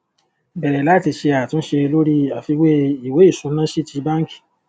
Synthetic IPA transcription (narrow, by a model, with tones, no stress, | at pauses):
bɛ˨ɾɛ˨la˦ti˧ʃe˧a˨tũ˦ʃe˧lo˦ɾi˦a˨fi˧we˦i˨we˨˦i˦˨sũ˨˦nã˦ʃi˦ti˧˦ba˦ŋ̩˦ki̥˦˨